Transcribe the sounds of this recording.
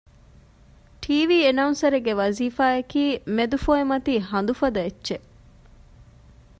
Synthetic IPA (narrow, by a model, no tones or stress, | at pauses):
ʈʰiːʋiːenɐunsɐɾeɡeʋɐziːfaːɐkiːmed̪ufoːemɐt̪iːɦɐnd̪ufɐd̪ɐetːʃe